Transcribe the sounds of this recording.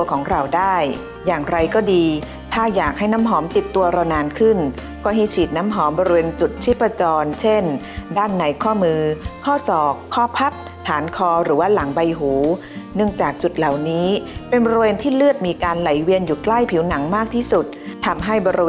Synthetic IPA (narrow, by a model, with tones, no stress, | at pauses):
əkʰɔː˩˦ŋɾa˨˩wdaː˥˩j | jaː˨˩ŋɾa˧jkɔː˥˩diː˧ | t̪ʰaː˥˩jaː˨˩k̚ha˥˩jnaː˦˥mɦɔː˩˦mt̪i˨˩t̪ːu˧ɐɾaː˧naː˧nkʰɯ˥˩n | kɔː˥˩ɦa˥˩jt͡ɕʰiː˨˩t̪̚na˦˥mɦɔː˩˦mbɔː˧ɾi˧weː˧nt͡ɕu˨˩t̪̚t͡ɕʰi˦˥pːa˧t͡ɕɔː˧nt͡ɕʰe˥˩n | daː˥˩nːa˧˦jkʰɔː˥˩mɯː˧kʰɔː˥˩sɔː˨˩kʰːɔː˥˩pʰa˦˥p̚ | t̪ʰaː˩˦nkʰɔː˧ɾɯː˩˦waː˥˩la˩˦ŋba˧jɦuː˩˦ | nɯ˥˩əŋt͡ɕaː˨˩k̚t͡ɕu˨˩t̪̚la˨˩wniː˦˥pe˧nbɔː˧ɾi˧weː˧nt̪ʰiː˥˩lɯ˥˩ət̪̚miː˧kaː˧nla˩˦jwi˧ənjuː˨˩kla˥˩jpʰi˩˦wna˩˦ŋmaː˥˩k̚t̪ʰiː˥˩su˨˩t̪̚ʰːa˧mɦa˥˩jbɔː˧ɾi˧